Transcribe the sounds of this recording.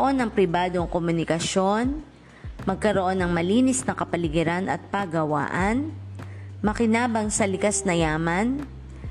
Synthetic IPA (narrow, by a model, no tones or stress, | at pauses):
ʔo̞nɐŋpɾɪbaːd̪o̞ŋkomʊnɪkɐʃo̞n | mɐɡ̚kɐɾoʔo̞nɐŋmɐliːnɪsnɐkɐpɐlɪɡɛɾanʔɐ̰t̪̚paɡɐwa̰ːʔɐn | mɐkɪnaːbɐŋsɐlɪkasnɐjaːmɐn